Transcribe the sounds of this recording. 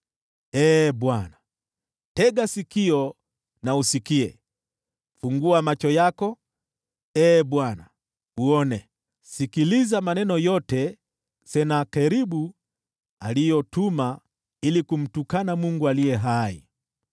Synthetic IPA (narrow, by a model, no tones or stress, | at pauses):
ɛːɓwana | tɛɠasikiɔ | nausikiɛ̰ | fuŋɡuamat͡ʃɔjakɔ | ɛːɓwana̰ | uɔnɛ | sikilizamanɛnɔjɔtɛ | sɛnakɛɾiɓu | alijɔtuma | ilikum̩tukanamuŋɡualijɛɦaḭ